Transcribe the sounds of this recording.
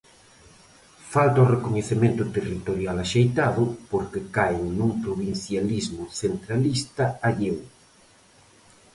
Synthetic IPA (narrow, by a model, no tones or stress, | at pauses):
falt̪ɐorekoɲeθemẽnt̪ʊt̪erit̪oɾjalaʃejt̪aðʊpoɾkekajŋnuŋpɾoβin̟θjalizmʊθent̪ɾalist̪ɐaʎew